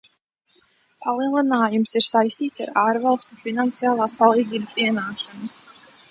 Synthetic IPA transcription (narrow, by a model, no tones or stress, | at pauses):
palˠiɛlˠinaːjumsiɾsajsʲt̪iːt̪sa̰ɾaːɾvalˠst̪ufinant̪sijaːlˠaːspalˠiːd̪ziːbəsiɛnaːʃɔnu